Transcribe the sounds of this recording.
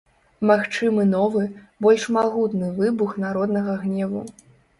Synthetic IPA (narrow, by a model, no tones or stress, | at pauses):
maxt͡ʂɨmɨnɔvɨbɔlʲʂmaɣut̪nɨvɨbuxnaɾɔd̪nɐɣɐɣnʲɛvṵ